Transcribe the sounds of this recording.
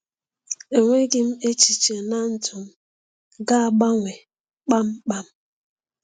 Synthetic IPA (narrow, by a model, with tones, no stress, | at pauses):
e˨ŋʷe˦ɡɪ˦m̩˦e˦t͡ʃi˨t͡ʃe˨na˦n̩˦tʰʊ˨m̩˦ | ɡa˦a˨ɡ͡ba˦ŋʷe˨ | k͡pa˦m̩˦k͡pa˦m̩˦